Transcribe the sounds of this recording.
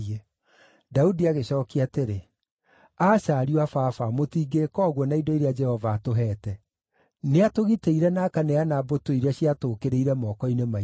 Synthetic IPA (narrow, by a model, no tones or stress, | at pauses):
e | daudiaɣeɕɔːkiateɾe | aːɕaːɾiwafafamotiːɡekɔːɣwɔnaidoiɾead͡ʒɛhɔvaːtoɦɛːtɛ | neatoɣiteiɾɛnakaneanabotwoiɾaɕiatoːkeɾeiɾɛmɔːkɔinema